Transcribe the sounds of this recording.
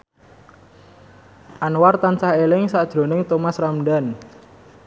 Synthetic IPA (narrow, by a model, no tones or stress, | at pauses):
ʔanwart̪ansahelɪŋsad̥ʒ̥ɾo̤nɪŋt̪ɔmasramɖan